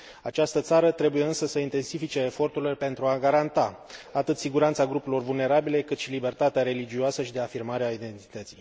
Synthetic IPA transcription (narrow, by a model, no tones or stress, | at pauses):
at͡ʃast̪ət̪saɾət̪ɾe̞buje̞ɨnsəsəint̪e̞nsifit͡ʃe̞ːfo̞rt̪urilepe̞nt̪ɾuaɡaɾant̪aat̪ɨt̪siɡuɾant̪saɡɾupulo̞rvulne̞ɾabile̞kɨt̪ʃilibe̞rt̪at̪eaɾe̞lid͡ʒioasəʃid̪e̞afirmaɾeaid̪e̞nt̪i̥t̪ət̪si̥j